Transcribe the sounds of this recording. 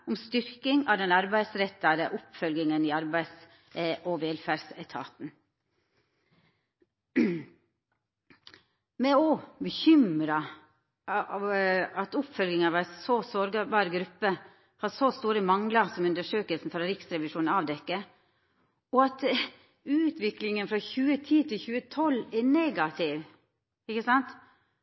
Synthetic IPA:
ɔmst̪ʏɾkɪŋɑʋd̪ɛnɑɾbæɪsɾɛt̪ːɑd̪əʔʊpːfœlɡɪŋənɪɑɾbæɪs | ʔɔʋeːlfæɾsɛt̪ʰɑ̰ːt̪n̩ | mɛɔbəçʏmɾɑ | ɑt̪ʊpfœlɡɪŋɑʋæsɔsɔɾɡɑbɑːɾɡɾʉpːə | hɑsost̪uːɾəmɑŋləsɔmʉnd̪əʂøːkəlsn̩fɑɾɾɪksɾɛʋɪʂuːnɑʋd̪ɛkːə | ɔɑt̪ | ʉːt̪ʰʋɪklɪŋənfɾɑçʉːət̪ʰiːt̪ʰɪçʉːət̪ʰɔlːɛneːɡɑt̪ʰɪʋ | ɪkəsɑnt̪

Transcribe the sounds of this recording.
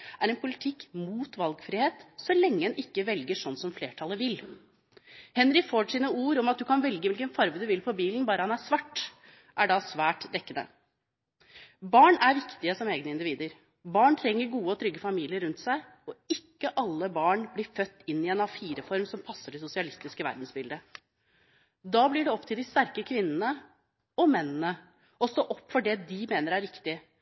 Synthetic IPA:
ʔæɾɛnpʰʊlɪt̪ʰɪkːmuːt̪ʋɑlɡfɾɪːheːt̪sɔlɛŋːəɛnʔɪkːəʋɛlɡəʂɔnːsɔmfleːʈʰɑləʋɪlː | hɛnɾɪfoːʂiːnəuːɾɔmɑt̪̚d̪ʉkʰɑnʋɛlɡəʋɪlkənfɑɾʋəd̪ʉʋɪlpʰɔbiːlnbɑːɾəhɑnæsʋɑʈː | ʔæɖɑsʋæːʈd̪ɛkːənə̰ | bɑːɳæɾʋɪkt̪ɪəsɔmeːɡnəɪnd̪ɪʋiːd̪əɾ | bɑːɳt̪ʰɾɛŋːəɾɡuːəɔt̪ʰɾʏɡːəfɑmiːlɪəɾʉnt̪sæɪ | ɔɪkːəʔɑlːəbɑːɳblɪɾfœt̪ːɪnːɪɛːnɑfiːɾəfɔɾmsɔmpʰɑsːəɖɛsʊsɪɑlɪst̪ɪskəʋæ̰ɾd̪n̩sbɪld̪ə | d̪ɑblɪɖɛɔpt̪ʰɪld̪ɪst̪æɾkəkʰʋɪnːənə | ɔmɛnːənə | ɔst̪oːʔɔpːfɔɖɛd̪ɪmeːnəɾæɾʋɪkt̪ɪ

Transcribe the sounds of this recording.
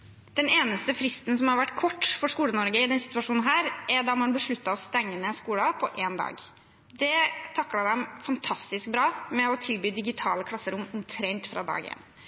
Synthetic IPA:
d̪̥ɛneːnəst̪əfɾɪst̪n̩sɔmhɑɾʋæʈːkʰɔʈːfɔɾʂkuːlənɔɾɡəɪd̪ɛnsɪt̪ʋɑʂuːnn̩ɦæːɾæɖɑmɑnbəʂɭʉt̪ːəɾɔst̪ɛŋːənəskuːlɑpʰɔʔeːnd̪ɑ̰ːɡ | d̪ɛt̪ʰɑkːlɑd̪ɛmfɑnt̪ʰɑst̪ɪsk̚bɾɑːmɛɔt̪ʰɪlbyːd̪ɪɡɪt̪ʰɑːləkʰlɑsːəɾʊmːɔmt̪ʰɾɛnt̪fɾɑ̰d̪ɑ̰ːɡɪ̰ɛ̰nː

